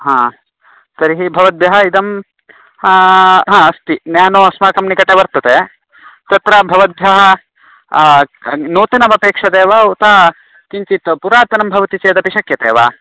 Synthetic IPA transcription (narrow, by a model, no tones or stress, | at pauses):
ɦãː | sɐɾiɦibʱɐʋɐd̪̚bʱjɐɦɐid̪ɐm | ɦãːɐst̪injaːnoɐsmaːkɐmnikɐʈeʋɐɾt̪ɐt̪e | t̪ɐt̪ɾabʱɐʋɐd̪̚bʱjɐɦɐ | noːt̪ɐnɐbɐpeːkʂɐd̪eːʋaut̪aː | kiɲt͡ʃit̪ɐpuɾaːt̪ɐnɐmbʱɐʋɐt̪it͡ʃeːd̪ɐpiʃɐkjɐt̪eːʋa̰ː